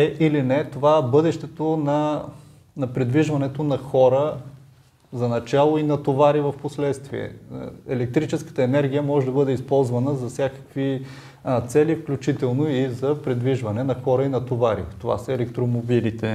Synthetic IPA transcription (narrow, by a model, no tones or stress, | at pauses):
ɛʔilinɛt̪ovabɤd̪ɛʃt̪ɛt̪onɐ | nɐpɾɛd̪viʒvɐnɛt̪onɐxɔɾə | zɐnɐt͡ʃalˠoinɐt̪ovaɾivɐfposlɛt̪st̪viɛ̰ɛlɛk̚t̪ɾit͡ʃɛskə̥t̪əɛnɛɾɡ̟ʲijəmɔʒɛd̪ɐbɤd̪ɛispɔlˠzvɐnəzɐfsʲjakə̥kvi | t̪sɛlifklʲut͡ʃit̪ɛlˠnoizɐpɾɛd̪viʒvɐnɛnɐxɔɾəinɐt̪ovaɾḭt̪ova̰səɛlɛkt̪ɾomobilit̪ɛ